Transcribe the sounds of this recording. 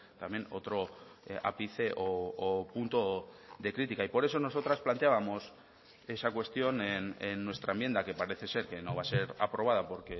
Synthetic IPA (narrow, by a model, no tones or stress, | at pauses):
t̪amje̞no̞̰t̪ɾo̞a̰piθe̞ʔoːpunt̪o̞ðe̞kɾit̪ikaipo̞ɾeso̞no̞so̞t̪ɾasplant̪eaβamo̞s | e̞sakwe̞st̪jo̞nenenːwe̞st̪ɾaembje̞nd̪ake̞paɾe̞θe̞se̞ɾke̞no̞βase̞ɾa̰pɾo̞β̞að̞apo̞ɾke̞